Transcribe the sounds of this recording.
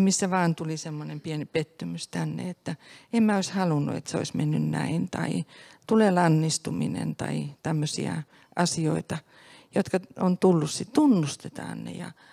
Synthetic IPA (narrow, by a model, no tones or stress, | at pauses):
misːæʋɑːnt̪ulisemːonempienipet̪ːymyst̪ænːḛet̪ːæemmæoishɑlunːṵḛt̪seo̰ismenːynnæint̪ɑit̪ulelɑnːist̪uminḛnt̪ɑit̪æmːøsḭæ̰ | ʔɑsioit̪ɑ | jot̪kɑont̪ulːussit̪t̪unːust̪et̪ɑ̰ːnnḛjɑ